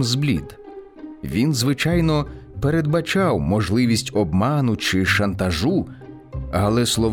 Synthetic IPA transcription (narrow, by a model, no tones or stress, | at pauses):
mzblʲḭd̪ | ʋʲinzʋɪt͡ʃɑjnɔpeɾed̪̚bɐt͡ʃɑwmɔʒlˠɪʋʲisʲtʲɔbmɑnʊt͡ʃɪʃɐnt̪ɐʒu | ɐlˠɛslˠɔʋ